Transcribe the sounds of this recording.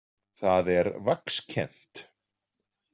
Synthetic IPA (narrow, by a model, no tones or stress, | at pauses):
θaðɛɾvakscʰɛ̰n̥t̪